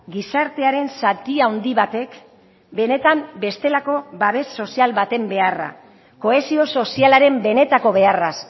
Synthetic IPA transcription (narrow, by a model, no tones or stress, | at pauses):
ɡisaɾt̪e̞aɾe̞nsat̪iaond̪iβat̪e̞k | be̞ne̞t̪ambe̞st̪e̞lako̞βaβ̞e̞sːo̞sialβat̪e̞mbe̞ara̰ | ko̞e̞sio̞so̞sialaɾe̞mbe̞ne̞t̪ako̞βe̞aras